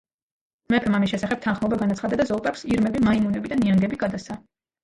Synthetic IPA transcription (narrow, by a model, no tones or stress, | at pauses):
mɛpʰɛmamis̬ʃɛsaχɛb̥̚t̪ʰanχmɔbaɡanat̪sχad̪ad̪azɔlˠpʼɛpsiɾmɛbimaimunɛbid̪aniaŋɡɛbiɡad̪asa